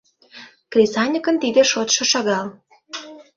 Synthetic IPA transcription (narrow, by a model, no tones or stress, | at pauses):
krʲisɑnʲikə̆nt̪id̪ĕʃot̪ʃɤ̆ʃɑɣɑl